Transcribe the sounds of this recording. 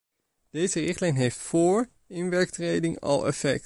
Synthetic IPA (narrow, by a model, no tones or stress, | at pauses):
d̥ejzərɪχtlɛjnɦejftfʊːɹ | ɪnʋɛɹk̚trejdɪŋɑ̰lˠɛ̰fɛ̰k̚t